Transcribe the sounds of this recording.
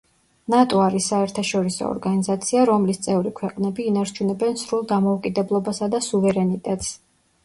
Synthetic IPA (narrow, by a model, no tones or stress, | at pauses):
nat̪ʼɔaɾisːaɛɾt̪ʰaʃɔɾisɔ̰ɔ̰ɾɡanizat̪sʰiaɾɔmlist̪sʼɛvɾikʰwɛqʼnɛbiːnaɾt͡ʃʰunɛbɛnsɾulˠd̪amɔukʼid̪ɛblˠɔbasad̪asuvɛɾɛnit̪ʼɛt̪ʼs